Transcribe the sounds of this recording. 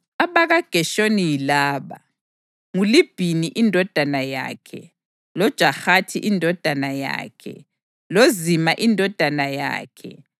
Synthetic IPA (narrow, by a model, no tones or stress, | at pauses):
aβaɣaɡ̥ʱɛʃonijilaːɓa̰ | ŋulib̥ʱiniʔindʱɔd̥ʱanaja̰ːkʰɛ̰ | lɔd̥ʒ̥ʱaxatʰiʔindʱɔd̥ʱanaja̰ːkʰɛ̰ | lozimaʔindʱɔd̥ʱanaja̰ːkʰɛ̰